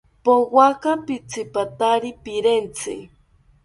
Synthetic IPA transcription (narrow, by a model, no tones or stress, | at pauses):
powakapit͡sɪpat̪aɾipɪɾent͡sɪ̰